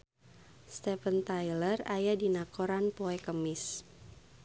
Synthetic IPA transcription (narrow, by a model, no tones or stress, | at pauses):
st̪ɛfənt̪ajlərajadinakoɾanpoɛkəmɪs